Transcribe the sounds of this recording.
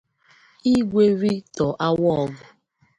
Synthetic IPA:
i˦ɡʷe˦ɾi˦tɔ˨ʔa˦wɔ˦ɔ˦ɡʊ˨

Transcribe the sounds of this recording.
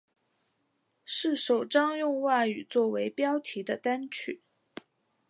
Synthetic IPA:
ʂɻ̩˥˩ʂo˨˩ʊʈ͡ʂɑ˥ŋjʊ˥˧ŋwa˥˩y˨˩t͡swɔ˥˩we˧˥ɪpjɑ˥ʊt̪ʰi˧˥d̪ə˧t̪a˥nt͡ɕʰy̰˨˩˦

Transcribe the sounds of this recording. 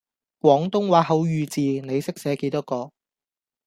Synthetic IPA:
kʷwɔː˨˥ŋt̪ʊ˥ŋwaː˨˧˥hɐ˨˧˥wjyː˨˧t͡siː˨ne˨˧jsɪ˥k̚sɛː˨˧˥ke˨˥jt̪ʊ˥kːɔː˧

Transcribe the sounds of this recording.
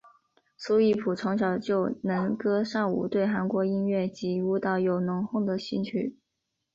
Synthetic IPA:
su˥i˥˩pʰu˨˩ʈ͡ʂʰʊ˧˥ŋɕ̬jɑ˨˩ʊt͡ɕjo˥˩ʊna˧˥nkɤ˥ʂɑ˥˩ŋṵ˨˩t̪we˥˩ɪxa˧˥nkwɔ˧˥i˥nɥɛ˥˩t͡ɕi˧˥u˧˥t̪ɑ˧˥ʊjo˨˩ʊnʊ˧˥ŋxʊ˥˩ŋd̪ə˩ɕi˥˧nt͡ɕʰy̰˥˩

